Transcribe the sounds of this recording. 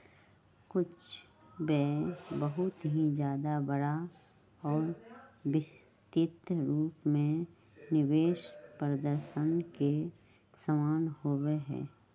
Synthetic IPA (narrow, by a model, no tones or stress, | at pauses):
kʊt͡ʃʰ | bɛːbəɦʊt̪ɦĩd͡ʒjaːd̪abəɽa | ɔːɾbɪs | t̪ɪt̪ɾuːpmẽ | nɪʋeːʃpɾəd̪əɾʃənke | səmaːnhoweɦɛ̰̃ː